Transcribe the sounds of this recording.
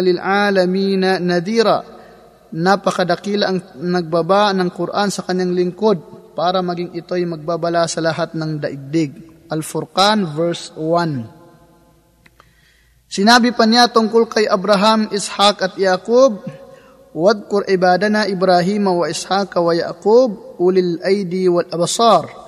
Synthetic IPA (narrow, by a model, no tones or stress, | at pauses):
lɪlʕalɐmiːnɐnɐd̪iːɾa | napɐkɐd̪ɐkiːlɐʔɐŋnɐɡ̚bɐbanɐŋkʊɾʔansɐkɐɲːaŋlɪŋkod̪̚paːɾɐmɐɡɪŋʔɪt̪o̞jmɐɡ̚babɐlasɐlɐɦat̪̚nɐŋd̪ɐʔɪɡ̚d̪ɪɡ̚ʔɐlfʊɾkanvɛɹswan | sɪnaːbɪpɐɲat̪ʊŋkolkɐjʔɐbɾaɦamʔɪshakɐt̪jakob̚ | wad̪̚kʊɾʔɪbaːd̪ɐnɐʔɪbɾaɦimɐwɐʔɪshakɐwɐja̰ʔkub̚ʔulɪlʔajd̪iwɐlʔɐbsɑɾ